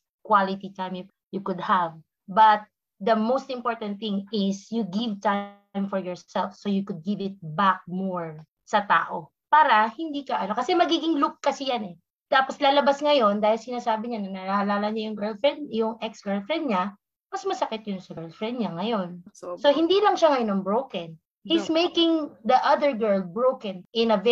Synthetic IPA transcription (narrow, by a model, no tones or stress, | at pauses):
kwalɪt̪it̪ajmj | jukʊd̪̚hav | bɐt̪̚ | d̪ɐmowst̪ɪ̃mpoɹt̪ɐnt̪̚θɪ̃ŋɪsjuɡɪvt̪ã | jmfɔɹjɔɹsɛlfsojukʊd̪̚ɡɪvɪt̪̚bak̚moɹ | sɐt̪a̰ːʔo | paːɾɐhɪnd̪iːkɐʔɐno̞kɐsɛmɐɡiːɡɪŋlʊk̚kɐsɪjanɛ | t̪aːposlaːlɐbasŋɐjo̞nd̪aːhɪlsɪnaːsaːbɪɲanɐnɐahɐlaːlɐɲajʊŋɡɛɹlfɹɛnd̪̚jʊŋʔɛksɡɛɹlfɹɛnd̪̚ɲɐ | mɐsmɐsɐkɪt̪̚jʊnsɐɡɛɹlfɹɛnd̪̚ɲɐŋɐjo̞nsoɦɪnd̪iːlɐŋʃaŋɐjonɐŋbɹowkɐn | hismejkɪŋd̪ɐʔɐd̪ɛɹɡɛɹlbɹowkɐnʔɪnɐv